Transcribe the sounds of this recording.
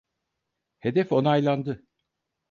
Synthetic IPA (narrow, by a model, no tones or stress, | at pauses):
he̞d̪ɛfo̞najlˠand̪ɯ